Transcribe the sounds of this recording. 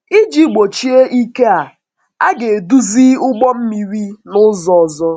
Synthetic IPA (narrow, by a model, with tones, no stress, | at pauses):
i˦d͡ʒi˦ɡ͡bo˨t͡ʃi˦e˦ʔi˦ke˦a˨ | a˦ɡe˨du˦zi˦ʊ˦ɡ͡bɔ˦m̩˦mi˨ɾi˦nʊ˦zɔ˨ɔ˨zɔ˦